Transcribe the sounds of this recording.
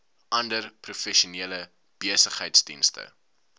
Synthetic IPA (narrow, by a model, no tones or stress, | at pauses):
ʔɐndərprufɛʃuniələ | b̥iəsəχɦəjtsdḭnstə̰